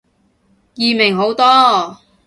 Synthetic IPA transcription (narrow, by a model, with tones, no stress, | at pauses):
jiː˨˧mɪ˨˩ŋɦo˨˥wt̪ɔː˥